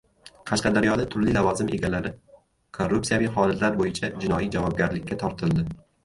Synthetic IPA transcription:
qʰɑʃqɑd̪aɾjɒd̪at̪ʰʊɾlilavɒzɪme̞ɡʲalaɾɪ | kʰorːupsijavijχɒlɪt̪laɾbojɪt͡ʃʰad͡ʒɪnɒijd͡ʒavɒb̚ɡʲaɾlɪkʲːat̪ʰɒɾt̪ʰɪlˠd̪ɪ

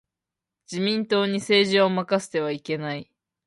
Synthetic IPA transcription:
d͡ʑimʲĩnt̪o̞ːɲ̟ise̞ːʑiomakasɨ̥t̪e̞β̞aike̞nai

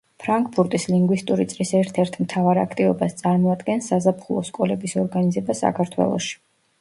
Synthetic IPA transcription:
pʰɾaŋkʰʼpʰuɾt̪ʼisliŋɡwist̪ʼuɾit̪sʼlisɛɾt̪ʰɛɾt̪ʰmt̪ʰavaɾa̰kʰt̪ʼivɔbast̪sʼaɾmɔad̪ɡɛnsːazapʰχulˠɔskʼɔlɛbisɔɾɡanizɛbasa̰kʰaɾt̪ʰwɛ̰lˠɔ̰ʃi̥

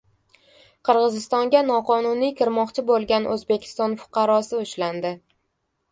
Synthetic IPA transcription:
qʰɨɾʁɨzɪst̪ɒŋɡʲanɒqʰɒnʊnijkʲʰɪɾmɒqt͡ʃʰɪbolˠɡʲanʔɵ̰zbe̞kʲʰɪ̥st̪ɒnfʊ̥qʰɑɾɒsɪʊʃland̪ɪ

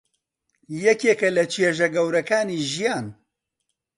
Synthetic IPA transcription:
jɛkeːkɐlɐt͡ʃʰeʒɐɡɐwɾɐkaːniːʒijaːn

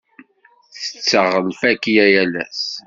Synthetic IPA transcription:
θə̥t͡sːəʁəlfækjæjælæ̰s

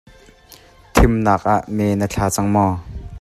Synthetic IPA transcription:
t̪ʰɪmnaːk̚ʔaʔmɛːnət͡ɬʰaːt͡saŋmɔ

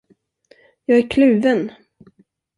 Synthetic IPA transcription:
jɑːɡæɾkʰlʉ̟ːvən

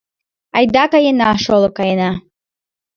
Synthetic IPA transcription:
ajd̪akajenaːʃolˠokajena

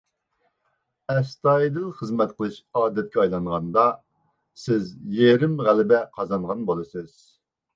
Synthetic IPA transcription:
ɛst̪ɑjid̪ɨlˠχəzmɛt̪̚qʰəlˠɨʃɑːd̪ɛt̪̚kʲɛɑjlˠɑŋʁɑnd̪ɑ | sɪzjeɾɪmʁælɪbɛqʰɑzɑnʁɑnbolˠɨsɨz̥

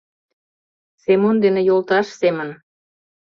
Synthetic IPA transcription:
semond̪enĕjolt̪ɑʃsemən

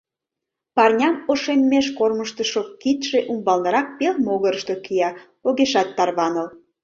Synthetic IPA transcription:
pɑrnʲɑmoʃenmeʃkorməʃt̪əʃokit̪ʃeʔumbɑlnɤɾɑk̚pelmoɣəɾəʃt̪okijɑ | oɣeʃɑt̪ːɑrβɑnəl

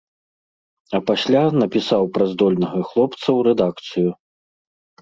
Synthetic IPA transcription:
ɐpasʲlʲanɐpʲisawpɾazd̪ɔlʲnɐɣɐxlˠɔpt̪sɐwɾɛd̪akt̪sɨju

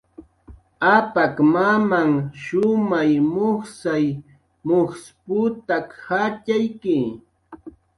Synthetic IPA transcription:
apakmamaŋʃʊmajmʊχsaj | moχspʊt̪akhat͡ʃajkɪ

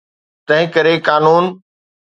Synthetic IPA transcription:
t̪ɐ̃ɦɪ̃kɐɾekaːnuːn

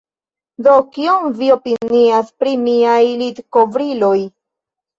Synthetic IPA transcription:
d̪okiomvio̞piniaspɾimiajlid̪kovɾiloj

